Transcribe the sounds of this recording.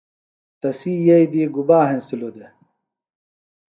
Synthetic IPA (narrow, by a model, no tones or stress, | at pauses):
t̪ɐsiːjɐjd̪iɡubaːɦẽnst̪ilod̪e